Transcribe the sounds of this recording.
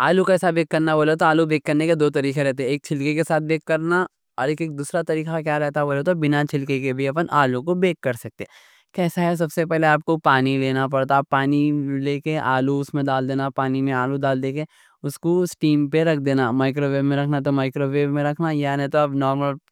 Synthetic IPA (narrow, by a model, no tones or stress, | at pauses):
aːlukaɛːsabeːkːɐɾnaʋoːlet̪oaːlubeːkːɐɾneked̪oːt̪ɐɾiːkeɾɛɦt̪eɦɛ̃eːk̚t͡ʃʰɪlkekesaːt̪̚ʰbeːkːɐɾna | ɔ̰ːɾeːkeːk̚d̪uːsɾat̪ɐɾiːkakjaɾɛɦt̪aɦoːlet̪obɪnat͡ʃʰɪlkekebʱiɐpənʔaːlukobeːkːɐɾsɐk̚t̪e | kɛːsaɦɛs̬ɐbsepɛɦleaːp̚kopaːnileːnap̬ɐɽt̪apaːnileːkeʔa̰ːluʊsmẽd̪aːld̪eːnapaːnimẽaːlud̪aːld̪eːke | ʊskosʈiːmpeɾɐkʰd̪eːnamaːɪkɾoʋeːbmẽɾɐkʰnat̪̬omaːɪkɾoʋeːbmẽɾɐkʰnajant̪oɐbnɔːɾməl